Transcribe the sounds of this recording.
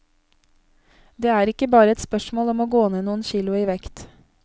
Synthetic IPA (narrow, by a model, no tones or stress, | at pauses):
d̪eːæːɾɪkəbɑːɾəɛt̪spœʃmoːlɔmoːɡoːneːnuːən̩ʃiːlʊiːʋɛkt̪